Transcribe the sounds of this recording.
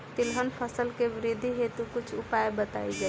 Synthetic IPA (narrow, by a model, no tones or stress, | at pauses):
t̪ilɦənpʰəsəlkeʋɾid̪ʱːiɦet̪ukut͡ʃʰupajbət̪a̰id͡ʒa